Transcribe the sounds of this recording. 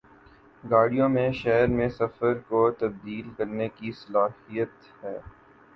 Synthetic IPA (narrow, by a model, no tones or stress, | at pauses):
ɡaːɽijõmẽʃɛɦɾmẽsɐfəɾkot̪ɐb̚d̪iːlkɐɾnekisɐlaːhijət̪ | hɛː